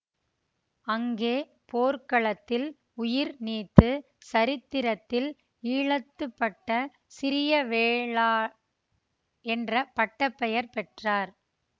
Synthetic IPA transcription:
ɐŋɡeː | poːɾkɐɭɐt̪ːɪl | ʊjɪɾniːt̪ːɯ | sɐɾɪt̪ːɪɾɐt̪ːɪl | iːɭɐt̪ːɯpːɐʈːɐ | sɪɾɪjɐʋeːɭaː | ɛndrɐpɐʈːɐpːɛjɐɾpɛʈraːɾ

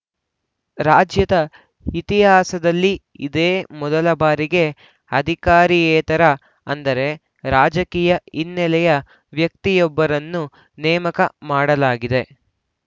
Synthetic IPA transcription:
ɾaːd͡ʒjɐt̪ɐ | it̪iɦaːsɐd̪ɐlːi | id̪eːmɔd̪ɐlɐbaːɾiɡe̞ | ɐd̪ʱikaːɾijɛːt̪ɐɾɐ | ɐnd̪ɐɾe̞ | ɾaːd͡ʒɐkiːjɐinːɛlɛjɐ | ʋjɐk̚t̪ijɔbːɐɾɐnːu | nɛːmɐkɐmaːɽɐlaːɡid̪e̞

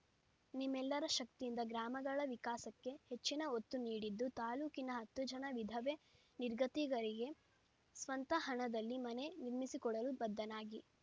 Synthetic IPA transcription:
nimːɛlːɐɾɐʃɐk̚t̪ijind̪ɐɡɾaːmɐɡɐɭɐʋikaːsɐkːe̞het͡ʃːinɐot̪ːuniːɽid̪ːut̪aːluːkinɐɦɐt̪ːud͡ʒɐnɐʋid̪ʱɐʋe | niɾɡɐt̪iːɡɐɾiɡe̞ | sʋɐnt̪ɐɦɐɳɐd̪ɐlːimɐne̞niɾmisikɔɽɐlubɐd̪ːɐnaːɡi

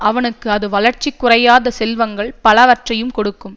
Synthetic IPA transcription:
ɐʋɐnɯkːɯɐðɯʋɐɭɐɾt͡ʃikːʊrɐjaːðɐsɛlʋɐŋɡɐɭpɐlɐʋɐʈrɐjɯmkɔɽɯkːɯm

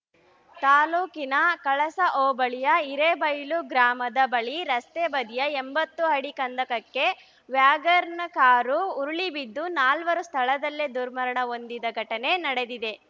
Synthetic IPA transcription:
t̪aːluːkinɐkɐɭɐsɐʔoːbɐɭijɐiɾebɐjluɡɾaːmɐd̪ɐbɐɭiɾɐst̪ebɐd̪ʱijɐembɐt̪ːuɦɐɽikɐnd̪ɐkɐkːe̞ | ʋjaːɡɐɾnɐkaːɾuːɾuɭibid̪ːunaːlʋɐɾust̪ʰɐɭɐd̪ɐlːed̪uɾmɐɾɐɳɐo̞nd̪id̪ɐɡʱɐʈɐne̞nɐɽe̞d̪id̪e̞

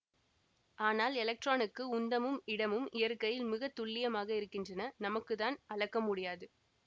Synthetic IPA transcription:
aːnaːlɛlɐk̚ʈraːnɯkːɯʊnd̪ɐmɯmɪɽɐmɯmɪjɐɾkɐjɪlmɪɣɐt̪ːʊɭːɪjɐmaːɣɐɪɾɯkːɪndrɐnɐnɐmɐkːɯðaːnɐɻɐkːɐmʊɽɪjaːðɯ

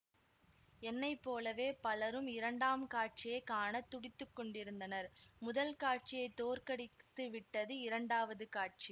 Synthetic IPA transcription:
ɛnːɐɪpːoːlɐʋeːpɐlɐɾɯmɪɾɐɳɖaːmkaːʈ̚t͡ʃɪjɐɪkaːɳɐt̪ːʊɽɪt̪ːɯkːɔɳɖɪɾɯnd̪ɐnɐɾmʊðɐlkaːʈ̚t͡ʃɪjɐɪt̪ːoːɾkɐɽɪt̪ːɯʋɪʈːɐðɯɪɾɐɳɖaːʋɐðɯkaːʈ̚t͡ʃi

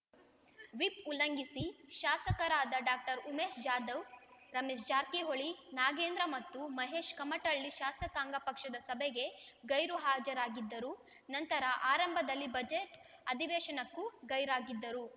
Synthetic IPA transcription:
ʋipulːɐŋɡisiʃaːsɐkɐɾaːd̪ɐɖaːk̚ʈɐɾumeːsd͡ʒaːd̪ɐwɾɐmesd͡ʒaːɾkeɦoɭinaːɡeːnd̪ɾɐmɐt̪ːumɐɦeːʃkɐmɐʈɐɭːiʃaːsɐkaːŋɡɐpɐkʂɐd̪ɐsɐbʱeɡe̞ɡɐjɾuɦaːd͡ʒɐɾaːɡid̪ːɐɾu | nɐnt̪ɐɾɐʔaːɾɐmbʱɐd̪ɐlːibɐd͡ʒeʈ | ɐd̪ʱiʋeːʃɐnɐkːuɡɐjɾaːɡid̪ːɐɾu

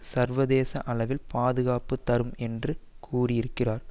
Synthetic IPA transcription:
sɐɾʋɐðeːsɐʔɐlɐʋɪlpaːðɯɣaːpɯt̪ːɐɾɯmɛndrɯ | kʰuːrɪjɪɾɯkːɪraːɾ

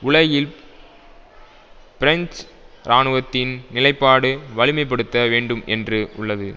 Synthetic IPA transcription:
ʊɭɐjɪl | pɪɾɐɲt͡ʃɾaːnɯʋɐt̪ːɪnnɪlɐɪpːaːɽɯʋɐɻɪmɐɪp̬ːɐɽɯt̪ːɐʋeːɳɖɯmɛ̰ndrɯʊ̰ɭːɐðɯ

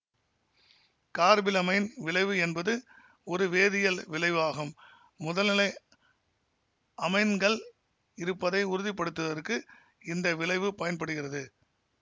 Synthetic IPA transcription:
kaːɾbɪlɐmɐɪnʋɪɭɐɪʋɯɛnbɐðɯ | ɔɾɯʋeːðɪjɐlʋɪɭɐɪʋaːɣɯmː | ʊðɐlɐlɐɪ | ɐmɐɪnɡɐɭ | ɪɾɯpːɐðɐɪʊɾɯðɪpːɐɽɯt̪ːɯʋɐðɐɾkːɯ | ɪnd̪ɐʋɪɭɐɪʋɯpɐjɐnpɐɽɯɣɪrɐðɯ

